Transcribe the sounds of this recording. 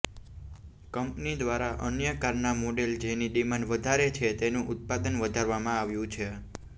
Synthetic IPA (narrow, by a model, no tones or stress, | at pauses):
kəmpnid̪ʋaɾaʔənjəkaɾnamoɖeld͡ʒeniɗimanʋəd̪ʱaɾet͡ʃʰet̪enũʔʊt̪̚pad̪ənʋəd̪ʱaɾʋamãaʋjũt͡ʃʰe